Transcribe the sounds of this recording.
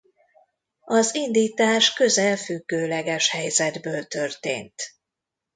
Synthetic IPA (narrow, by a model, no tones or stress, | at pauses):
ɒzind̪iːt̪aːʃkø̞zɛlfyɡːøːlɛɡɛʃhɛjzɛd̪bøːlt̪ø̞rt̪ḛːnt̪